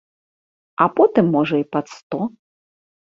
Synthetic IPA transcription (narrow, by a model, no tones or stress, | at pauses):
ɐpɔt̪ɨmːɔʐɐipɐt̪st̪ɔ